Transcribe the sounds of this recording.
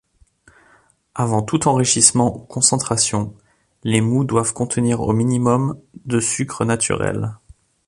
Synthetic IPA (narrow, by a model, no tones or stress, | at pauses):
avɑ̃t̪ut̪ɑ̃ʁiʃismɑ̃ʔukʰɔ̃sɑ̃t̪χasjɔ̃ | lemud̪wavkɔ̃t̪əniʁo̰minimɔmd̪əsykχənat̪ʰy̰ʁɛ̰l